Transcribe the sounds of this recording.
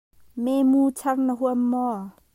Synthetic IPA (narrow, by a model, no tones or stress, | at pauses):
memuːt͡sʰɐrnəɦuəmːɔ